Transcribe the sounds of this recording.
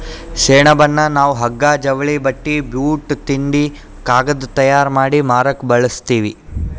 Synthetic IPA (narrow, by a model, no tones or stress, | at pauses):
ʃɛːɳɐbɐnːɐnaːʋuɦɐɡːaːd͡ʒɐʋɐɭibɐʈːibjuːʈt̪iɳɖi | kaːɡɐd̪ut̪ɐjaːɾmaːɽimaːɾɐkbɐɭɐst̪iːʋi